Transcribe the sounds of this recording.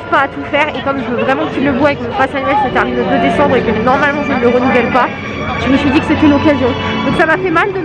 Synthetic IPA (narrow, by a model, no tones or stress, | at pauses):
paːt̪ufɛʁekɔmʒəvəvʁɛmɑ̃filəbuavɛkmɔ̃pasanɥɛləsət̪ɛʁmind̪ə̃d̪əd̪esɑ̃d̪ʁekənɔʁmalmɑ̃ʒənəməʁənuvɛlpa | ʒ̥əməsɥid̪ikəset̪ɛlɔkazjɔ̃ | d̪ɔ̃ksamafɛmald̪ə